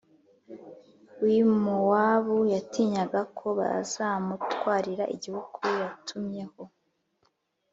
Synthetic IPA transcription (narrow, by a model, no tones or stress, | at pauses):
wimuwaβujatiːɲaɡakʰo̞βa̰a̰z̥amutwaːɾiɾaʔiɟihukʰujatʰumɲe̞ho̞